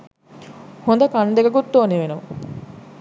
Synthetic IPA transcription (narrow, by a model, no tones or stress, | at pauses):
hond̪ɐkɐnd̪eɡɐɡut̪ːoːneʋenu